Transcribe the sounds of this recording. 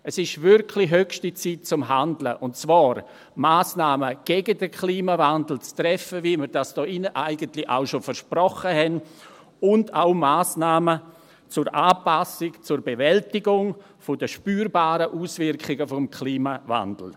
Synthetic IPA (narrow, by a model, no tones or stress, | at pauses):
ɛsɪʃvɪrkʰliɦøkʃtit͡siːt̚t͡sʊmɦandlə̰ʔʊntt͡sv̥aːɾ | maːsnaːməɡ̥ɛɡədəkʰliːmavandl̩t͡stɾɛfəviməɾd̥asd̥ɔːʔɪnəʔaɪɡəntlɪʔa̰ʊʃofəɾʃprɔχəhɛn | ʊndaʊmaːsnaːmə | t͡sʊɾʔaːpasɪkt͡sʊɾbevɛltɪɡʊŋ | fodəʃpyːɾbaːɾəʔuːsvɪɾkχɪɡəfɔmkʰliːmava̰ndl̩